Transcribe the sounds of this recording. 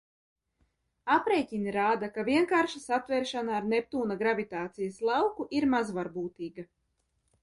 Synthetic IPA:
apɾeːjcʲiniɾaːd̪akavʲiɛŋkaːɾʃasat̪vɛɾʃanaːɾnɛp̚t̪uːnaɡɾavʲit̪aːt̪sijaslˠawkuʔiɾmazvaɾbuːt̪iːɡa

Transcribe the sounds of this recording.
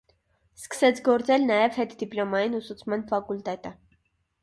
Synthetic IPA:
skə̥sɛt͡sʰɡɔɾt͡sɛlnɑjɛv̥hɛt̪d̪iplɔmɑjinusut͡sʰmɑnfɑkult̪ɛt̪ə

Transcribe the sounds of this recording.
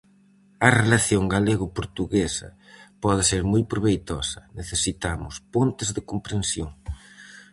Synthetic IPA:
ɐrelaθjoŋɡaleɣʊpoɾt̪uɣesɐ̰ | pɔðɪseɾmojpɾoβejt̪ɔ̰sɐneθesit̪amʊspont̪ɪzðɪkompɾensjoŋ

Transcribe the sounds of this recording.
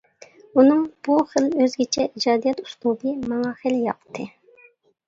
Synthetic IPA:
unɨŋb̥uχəløzɡʲit͡ʃʰɛʔid͡ʒɑːd̪ijɛt̪u̥slˠub̪ɨmɑŋɑχeljɑ̰qt̪ʰːɨ

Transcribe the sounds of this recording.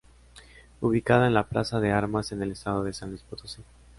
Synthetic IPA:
uβikað̞aenlaplasaðe̞aɾmase̞ne̞lest̪aðoðe̞sand̪ispot̪osi

